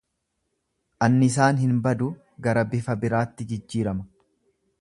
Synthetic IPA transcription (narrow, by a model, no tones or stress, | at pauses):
ʔɐnːɪɪs̬aːnhɪnbɐd̪ʊ | ɡɐɾɐbɪfɐbɪɾaːt̪ːɪd͡ʒɪd͡ʒːiːɾɐmɐ̥